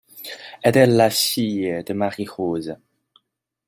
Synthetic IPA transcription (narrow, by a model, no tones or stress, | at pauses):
ɛtɛlːasiːəd̪əmaʁiχoːzə